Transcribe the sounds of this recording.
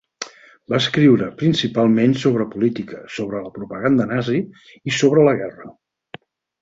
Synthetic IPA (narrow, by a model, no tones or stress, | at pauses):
baəskɾiwɾəpɾinsipalˠmensoβɾəpulit̪ikəsoβɾələpɾupəɣand̪ənazi | isoβ̞ɾələɣɛrə